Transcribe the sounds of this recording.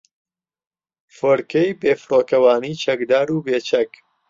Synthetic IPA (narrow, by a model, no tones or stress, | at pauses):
foɾkɐjbeːfɨɾoːkɐwaːniːt͡ʃʰɐkd̪aːɾuːbeːt͡ʃʰɐk